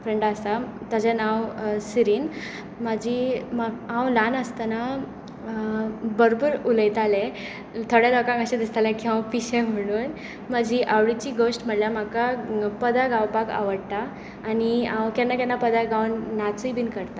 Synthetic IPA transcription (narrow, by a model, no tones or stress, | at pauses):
fɾəɳɖasat̪ad͡ʑanawsiɾiːn | mad͡ʑimaãwlanəst̪ana | bəɾobəɾuləjt̪alɛ | t̪ʰoɽjɛlɔkãŋkəɕãd̪ist̪alãkiɦãwpiɕɛ̃m̤əɽ̃uːn | mad͡ʑiʔawɽit͡ɕiɡosʈm̤əɽljam̤akapəd̪ʱaɡawpaka̰ʋəɽt̪aː | niãwkanːakanːapəd̪ʱaɡawnːat͡sujbiːnkəɾt̪a